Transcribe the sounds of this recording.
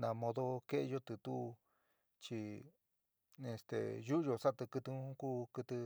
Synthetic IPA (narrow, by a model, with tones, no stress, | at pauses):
nã˧mõ˧ðo˦ke˦ʔe˧jo˦t̪ɨ˧t̪u˦˧ | t͡ʃi˧ | e˧st̪ḛ˨ju˦ʔʒo˧sa˦t̪ɨ˧kɨ˧t̪ɨ˧ũ˦ku˦kɨ˧t̪ɨ˧